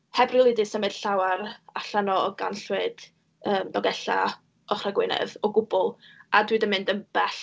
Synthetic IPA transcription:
hɛbrɨlˠɨdɪsəmɨd̥ɬawaraɬanɔɔɡa̰nɬwɨd̥ | əːmdɔɡɛɬa̰ | ɔχraɡwɪnɛ̰ðɔɡʊbɔlˠadwɨdəmɨndəmb̥ɛɬ

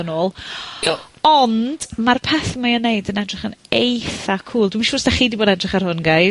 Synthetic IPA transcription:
ənoːlˠ | ɔnd̥marpʰɛθmaənːejdənɛdrɪχənejθakʰuːlˠdwimʃʊːsd̥aχiːdiboːdɛdrɪχar̥hʊnɡaj

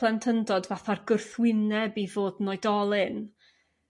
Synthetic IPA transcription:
lˠɛntʰəndɔdvaθarɡʊrθwɪnɛbivoːdnɔɨdɔlˠɨn

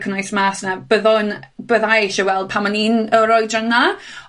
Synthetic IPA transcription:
kʰənajsmaːsnab̥əðɔnb̥əðaejʃɔwɛlˠd̥̚pʰamaninəɾɔjdrəna

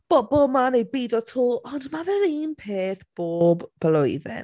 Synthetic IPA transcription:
b̥ɔbɔlˠmanejbiːdɔtʰuːʔɔndmaðəɾiːnpʰeːθb̥oːbb̥əlʊjðɪ̰n

